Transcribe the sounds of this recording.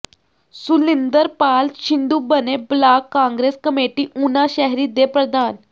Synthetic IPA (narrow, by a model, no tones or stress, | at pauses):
sulind̪əɾpalɕind̪uːbəneblakːãŋɡɾeskəmeʈiːʔunaɕɛɦɾiːd̪epɾəd̪ʱan